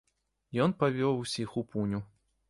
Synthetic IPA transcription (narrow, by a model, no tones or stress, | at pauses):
jɔnpavʲɔwusʲixupʰunʲu